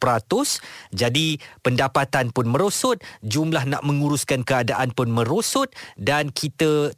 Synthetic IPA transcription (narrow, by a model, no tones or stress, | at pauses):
pɾat̪ʊsd͡ʒadipəndapat̪anpʊnmə̃ɾosʊt̪̚d͡ʒumlahnã̰ʔmə̃ŋuɾuskankəadaʔanpʊnmə̃ɾosʊt̪̚dankʰit̪ə